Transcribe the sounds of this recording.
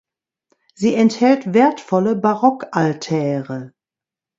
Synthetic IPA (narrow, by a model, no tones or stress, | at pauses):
ziːɛnthɛltv̥eːɐtfɔləbaʁɔkʔaltʰɛːʁə